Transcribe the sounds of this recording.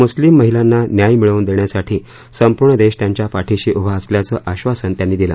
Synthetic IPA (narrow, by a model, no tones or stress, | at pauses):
muslimːəɦilanːanjajmiɭəuːnd̪eɳjasaʈʰiː | səmpuɾɳəd̪eɕt̪jaɲt͡ɕjapaʈʰiɕiːʔubʱasljat͡səːʔaɕʋasənt̪janːiːd̪ilə̰